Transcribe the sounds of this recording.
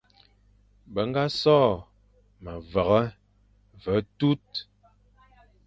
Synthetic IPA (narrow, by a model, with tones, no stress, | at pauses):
bə˨˦ŋ˦ɡa˦sɔ˦˨ | mə˨və˨ɣə˦ | və˨˦tu˦t̚